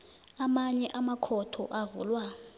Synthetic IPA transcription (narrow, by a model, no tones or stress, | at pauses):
amaɲɛʔamakʰɔtʰɔ̰ʔavṵːlwa